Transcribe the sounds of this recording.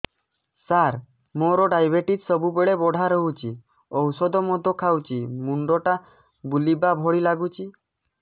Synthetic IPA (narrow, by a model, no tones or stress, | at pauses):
saɾ | moɾɔɖajbeʈit̪sɔbubeɭebɔɽ̤ʱaɾɔɦut͡ʃʰi | ɔwsɔd̪ɔmɔd̪ʱɔkʰawt͡ʃʰimuɳɖɔʈa | bulibabʱɔɽilaɡut͡ʃʰi